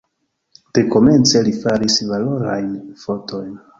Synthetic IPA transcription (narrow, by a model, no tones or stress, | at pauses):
d̥e̞ko̞me̞nt͡se̞lifaɾisvaloɾa̰jnfo̞to̞jn